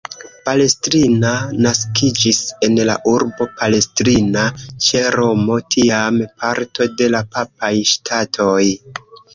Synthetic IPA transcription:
pale̞stɾinanaskid͡ʒise̞nla̰ʔuɾbo̞pale̞stɾinat͡ʃe̞ɾo̞mo̞tʰiampʰaɾto̞de̞lapapajʃtʰatʰo̞j

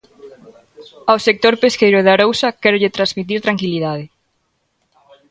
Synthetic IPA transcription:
awsek̚t̪oɾpeskejɾʊðaɾowsɐkɛɾʊʎeɪt̪ɾazmit̪̬iɾt̪ɾaŋkiliðaðɪ

